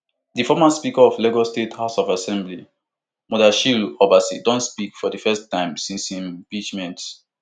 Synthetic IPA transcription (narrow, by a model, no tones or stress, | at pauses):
difɔmaspikaɔflɛɡɔstethaʊsɔfasɛ̃mbli | mɔdaʃilɔbasidɔ̃ntspikfɔdifɛstːãɪ̃msĩnsĩmpit͡ʃmɛ̃nt